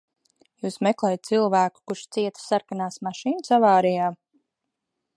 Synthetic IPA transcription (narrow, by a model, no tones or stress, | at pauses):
juːsmɛklˠɛjt̪̚t̪silˠvæːku̥kuɾʃt̪siɛt̪saɾkanaːsmaʃiːnsavaːɾijaː